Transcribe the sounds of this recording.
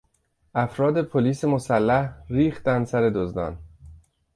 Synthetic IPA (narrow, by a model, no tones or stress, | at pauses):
ʔæfɾɒːd̪epʰoliːsemo̞sælːæhɾiːxt̪ænd̪sæɾe̞d̪ozd̪ɒ̰ːn